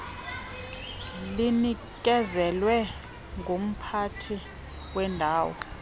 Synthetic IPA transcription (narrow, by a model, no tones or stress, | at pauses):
lini | k̬ʼɛzɛlwɛ | ŋɡʱom̩pʰatʰi | wɛndʱaːwɔ